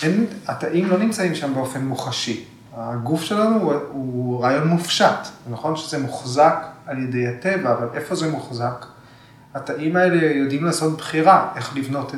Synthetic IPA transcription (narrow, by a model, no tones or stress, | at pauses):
enataʔimlo̞nimt͡saimʃambeo̞fe̞nmuχaʃi | aɡufʃe̞lanuuʁaːjo̞nmufʃatzenaχo̞nʃezemuχzakalje̞dejate̞vaːvalʔe̞fo̞zemuχzak | ataʔimae̞le̞jo̞dimlaːsotbχiʁaʔe̞χlivno̞te